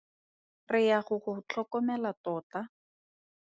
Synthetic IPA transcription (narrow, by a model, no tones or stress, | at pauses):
rɪjaχʊχʊt͡ɬʰɔkɔmɛlatɔːta